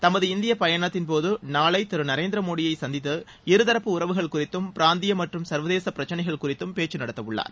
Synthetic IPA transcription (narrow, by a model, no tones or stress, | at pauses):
t̪ɐmɐðɯɪnd̪ɪjɐpɐjɐɳɐt̪ːɪnpoːðɯnaːɭɐɪt̪ɪɾɯnɐɾeːnd̪ɪɾɐmoːɽɪjɐɪsɐnd̪ɪt̪ːɯ | ɪɾɯðɐɾɐpːɯʊɾɐʋɯɣɐɭkʊrɪt̪ːɯmpɪɾaːnd̪ɪjɐmɐʈrɯmsɐɾʋɐðeːsɐpːɪɾɐt͡ʃːɐnɐɪɣɐɭkʊrɪt̪ːɯmpeːt͡ʃːɯnɐɽɐt̪ːɐʋɯɭːa̰ːɾ